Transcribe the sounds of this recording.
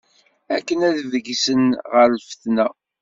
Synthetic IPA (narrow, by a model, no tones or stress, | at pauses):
ækːənæðvəɡisənʁəɾlfə̥θnæ